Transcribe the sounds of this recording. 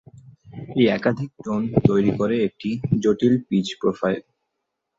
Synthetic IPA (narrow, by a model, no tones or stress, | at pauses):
eɛkad̪ʱik̚ʈont̪ojɾikoɾeek̚ʈid͡ʑoʈilpid͡ʑpɾofajl